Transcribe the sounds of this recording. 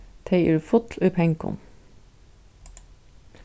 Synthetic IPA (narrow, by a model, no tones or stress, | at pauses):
t̪ʰeɪʔʉɾfʊt̪ʰlʉpʰɛŋkʊ̰n